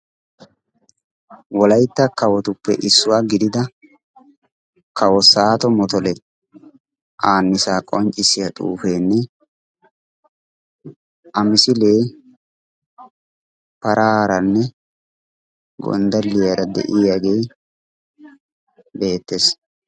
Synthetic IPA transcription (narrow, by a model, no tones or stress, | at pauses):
wɔlɐjt̪ːɐkɐwɔt̪ʊpːɛ̰ʔɪsːʊwaːɡɪd̪ɪd̪ɐ | kɐwɔsaːt̪ɔmɔt̪ɔlɛ | ʔaːnːɪsaːkʼɔnt͡ʃʼːɪsɪjɐt̪ʼṵːfeːnːɛ | ʔɐmɪsɪleː | pɐɾaɾɐnːɛ | ɡɔ̰nd̪ɐlːɪjɛɾɐd̪ɛ̰ʔɪaɡej | be̞ːt̪ːeːs